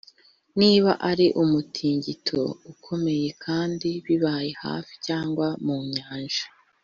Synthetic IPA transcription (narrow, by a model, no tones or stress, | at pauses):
niːβa̰ʔaɾiʔumutʰiːɲɟitʰo̞̰ukʰo̞me̞je̞kʰaːndiβiβaːjeha̰ːfi̥caːŋɡwamuːɲaːnʒḁ